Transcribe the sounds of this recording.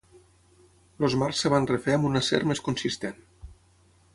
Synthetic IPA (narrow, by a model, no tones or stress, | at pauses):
lozmarsːəβanrefeəmbunəsḛɾmeskunsist̪en